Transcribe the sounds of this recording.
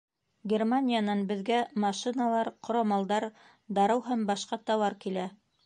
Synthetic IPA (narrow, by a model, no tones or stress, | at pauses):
ɡʲermanʲijanɑnbɘ̆ðɡæmɑʃinɑlˠɑɾqŏɾɑmɑlˠd̪ɑɾ | d̪ɑɾɤwɦæmbɑʃqɑt̪ɑwɑɾkilæ